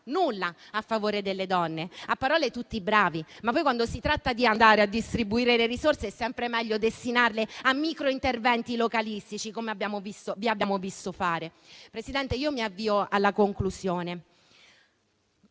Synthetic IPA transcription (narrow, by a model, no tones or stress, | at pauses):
nulːaafːavoːɾed̪elːed̪ɔnːeapːaɾɔːlet̪ut̪ːibɾaːvimapːɔjkwand̪osit̪ɾat̪ːad̪iand̪aːɾead̪ːist̪ɾibuiːɾeleɾisorseɛsːɛmpɾemɛʎːod̪est̪inarleamːikɾoint̪ervɛnt̪ilokalist̪it͡ʃikomeabːjaːmovist̪oviabːaːmovist̪ofaːɾepɾesid̪ɛnt̪eiːomiavːiːoalːakoŋklusjoːne